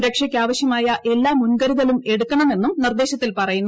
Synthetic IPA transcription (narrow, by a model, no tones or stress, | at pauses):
ɾɐkʂɐkʲːaːʋɐɕjɐmaːjɐʔe̞lːaːmunɡɐɾuɣɐlume̞ɽukːɐɳɐme̞nːumnird̪eːɕɐt̪ːilpɐrɐjunː